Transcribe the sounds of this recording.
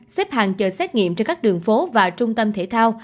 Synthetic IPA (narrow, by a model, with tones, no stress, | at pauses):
sɛ˦˥p̚haː˨˩ŋt͡ɕəː˨˩sɛ˦˥t̚ŋḭ˧˨əmt͡ɕɔ˧nkaː˦˥k̚ɗɨ˨˩əŋfo˨˦vaː˨˩t͡ɕʊ˧ŋ͡mt̪ə˧mt̪ʰe˧˩t̪ʰaː˧w